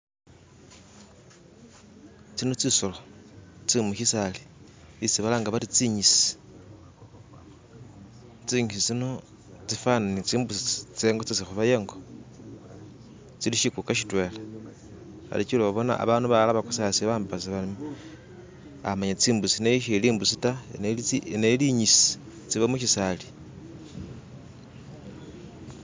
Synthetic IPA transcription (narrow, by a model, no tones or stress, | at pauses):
t͡sino̞t͡sisolot͡simuʃisali | isiβalaŋɡaβaɾit͡siɲisi̥ | t͡siɲisit͡sino̞ | t͡sifananit͡siːmbusit͡seːŋɡot͡sisixuβajeŋɡo̞ | t͡siliʃikukaʃ̬itwe̞le | xa̰lit͡ʃiloβaβo̞na̰a̰βaːnuβalaβakusasiβaːmbbas̬iβalimi | a̰maɲet͡siːmbusineiʃeliːmbusitaeneineliɲisi̥ | t͡siβamuʃisali